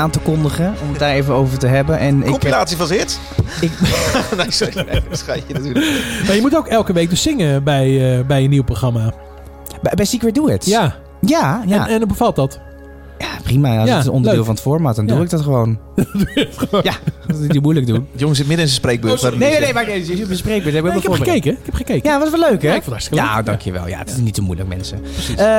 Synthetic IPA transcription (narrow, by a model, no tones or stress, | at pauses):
aːntəkɔndəχəɔmət̚daːɾevəowvəɹtəɦɛbənʔɛnɪkɔminaːtsifɔsɪt | ɪknasesχajədɔdumajəmutowkɛlˠkəʋeːk̚døssɪŋəbɛjəbɛjəniwproxrama | bɛbɛjsikʋəduɪta | jajaɛndɔbəfɑlˠtɔt | japrimasaəɔ̰ndəødɪːlˠfɔnətfoɹmatdɔnduɪk̚dɔtχəʋown | duəjanittomujlək̚dunjoŋəsɪtmɪdəɪnsəsprejk̚bøneenejmaeɪsbəsprejkbəthɛbɪkɛkɛχəkejkəɪkhɛpχəkejkəatʋɔsʋɛløɥkɛɪkfɔnthɑɹstɪ̥kəlja̰adɑŋkʰjəʋɛ̰lˠja̰ətɪ̥snitsomṵjlə̰k̚mɛ̰nsəə